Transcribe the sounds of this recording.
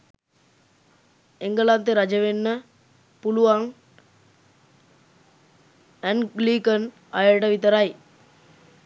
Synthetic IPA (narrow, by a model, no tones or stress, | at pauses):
eŋɡəlant̪eɾad͡ʒəʋenːə | puluʋaŋ | æŋɡliːkən | ajəʈəʋit̪əɾaj